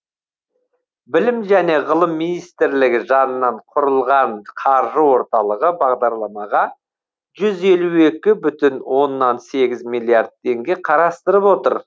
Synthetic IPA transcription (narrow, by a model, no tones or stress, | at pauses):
bɪlɪmʒæne̞ʁəlˠəmːinijst̪ɪɾlɪɡʲɪʒɑnənːɑɴqʰʊɾəlˠʁɑnqʰɑɾʒəwo̞ɾt̪ɑlˠəʁəbɑʁd̪ɑɾlˠɑmɑʁɑ | ʒ̥ʏze̞lue̞kʲɪbʏt̪ɪnwo̞nːɑnse̞ɡʲɪzmijlˠjard̪̚t̪ʰːe̞ŋɡʲe̞qʰɑɾɑst̪əɾəpwo̞t̪ə̰ɾ